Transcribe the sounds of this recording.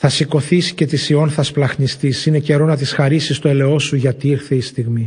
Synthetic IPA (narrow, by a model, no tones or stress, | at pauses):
θɐsiko̞θisi̥ce̞t̪isio̞nθɐsplɐxnist̪isine̞ce̞ɾo̞nɐt̪isxɐɾisist̪o̞ele̞o̞suʝɐt̪iiɾθeist̪iɣmi